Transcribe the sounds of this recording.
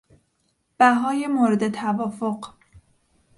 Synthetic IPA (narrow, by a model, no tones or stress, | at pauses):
b̥æɦɒːjemoːɾed̪e̞t̪ʰævɒːfo̞ɢ